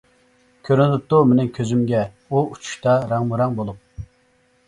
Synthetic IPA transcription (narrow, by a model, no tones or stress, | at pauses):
kʲʰøɾnɪd̪ɪp̚t̪umenɪkʲʰøzymɡʲɛ | uut͡ʃʰu̥ʃt̪ɑɾɑŋmuɾɑŋbolˠup̚